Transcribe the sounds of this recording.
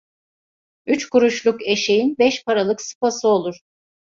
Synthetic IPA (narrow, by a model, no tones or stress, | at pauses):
yt͡ʃkuɾuʃlˠuke̞ʃe̞jinbɛʃpaɾalˠɯksɯ̥pasɯo̞lˠuɾ̥